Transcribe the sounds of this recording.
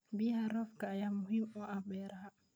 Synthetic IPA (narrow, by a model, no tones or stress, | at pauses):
bihaɾɔfkaːjamuɦimɔʔabɛɾaha